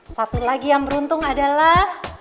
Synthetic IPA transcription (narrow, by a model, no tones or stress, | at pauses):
sat̪ulaɡijaŋbəɾunt̪ʊŋadalah